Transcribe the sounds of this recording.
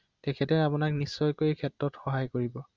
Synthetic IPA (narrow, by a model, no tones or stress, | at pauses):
tɛkʰɛtɛapʊnaknisːɔjkojkʰɛtɹɔtxɔɦajkoɹibɔ